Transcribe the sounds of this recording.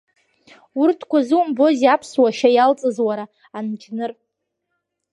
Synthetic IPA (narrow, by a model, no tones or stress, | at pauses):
urtʰkʷʰazɨumbo̞zapʰswaʃajalt͡sʼɨzwaɾa | ant͡ʃʰʼnɨr